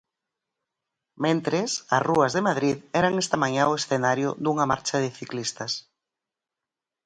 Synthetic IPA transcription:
mẽnt̪ɾesɐ̰sruɐzðemaðɾiðɛɾaŋɛst̪ɐmaɲaoesθenaɾjʊ̰ðuŋɐma̰ɾt͡ʃɐðɪθiklist̪ɐs

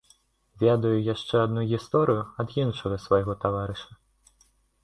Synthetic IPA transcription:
vʲɛd̪ɐjujaʂt͡ʂɛad̪nuɣʲist̪ɔɾɨjuɐd̪ɣʲinʂɐɣɐsvajɣɔt̪avaɾɨʂɐ

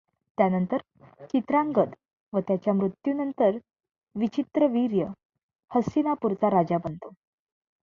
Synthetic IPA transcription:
t̪janənt̪əɾ | t͡ɕit̪ɾaŋɡəd̪ | ʋət̪jat͡ɕjamɾut̪junənt̪əɾ | ʋit͡ɕit̪ɾəʋiɾjə | həsinapuɾt͡saɾad͡ʑabənt̪o

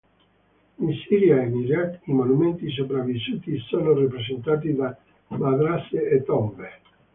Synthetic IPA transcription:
insiːɾjaeniɾat̪imonument̪is̬opɾavːisuːt̪isoːnorip̬ɾezent̪aːt̪̬id̪a | mad̪ɾaseet̪ːɔmbe

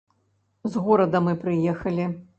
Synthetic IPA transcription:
zɣɔɾɐd̪ɐmɨpɾɨjɛxɐlʲi

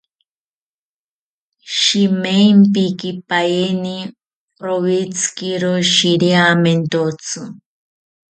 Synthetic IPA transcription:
ʃimempikipaeni | ɾowit͡sʰkiɾoʃiɾiament̪ot͡sʰɨ

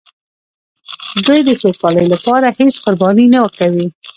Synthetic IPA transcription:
d̪ujd̪əxokɑləjlapɑɾahesqʊɾbɑninawəkawi

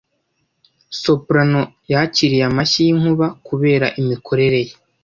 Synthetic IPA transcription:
so̞pɾano̞ | jaciɾijamaʃijiŋ̥uβakuβe̞ːɾaʔimikʰo̞ɾe̞ɾe̞je

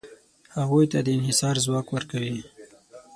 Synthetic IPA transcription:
haɣujt̪ad̪əɪnɦɪsɑɾzwɑkwəɾkawi

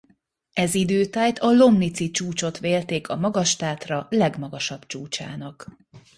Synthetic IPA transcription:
ɛzid̪øːt̪aːjt̪ʰɒlo̞mnit̪sit͡ʃuːt͡ʃo̞t̪ʋeːlt̪eːkʰɒmɒɡɒʃt̪aːt̪rɒlɛɡmɒɡɒʃɒb̥t͡ʃuːt͡ʃa̰ːnɒk

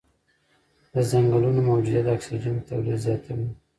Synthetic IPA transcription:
d̪̥əzaŋɡəlunomawd͡ʒud̪ad̪əaksad͡ʒant̪awlid̪zjɑt̪ʰawi

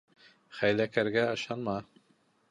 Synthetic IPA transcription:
χæjlækæɾɡæɤ̆ʃɑnmɑ

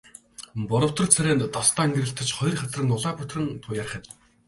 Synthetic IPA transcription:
pʊɾɞ̆w̥t̪ɞ̆rt͡sʰæɾʲæːnt̪t̪ɔst̪ʰaːŋɡeɾɘ̆ɬt̪ɘ̆t͡ɕχɔj̆rχat͡srə̆ŋʊɮaːpʊt̪rɘ̆ŋt̪ʰʊjarχʲə̆t̪

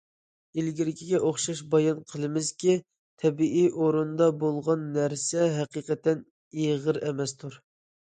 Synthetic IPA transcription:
ilɡʲiɾɪkʲiɡʲɛʔoχʃɑʃbɑjɑnqʰəlˠɨmɪzkʲi | t̪ʰɛbiʔiʔoɾund̪ɑbolˠʁɑnːæɾsɛɦɛqiqɛt̪ːɛn | iʁəɾɛmɛst̪ʰuɾ

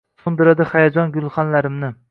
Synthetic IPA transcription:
sʊnd̪ɪɾad̪ɪhajad͡ʒɒnɡʲʊlˠχɑnlaɾɪmnɪ

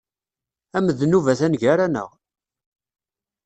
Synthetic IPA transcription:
æməðnuvæθænʝæɾænə̰ʁ

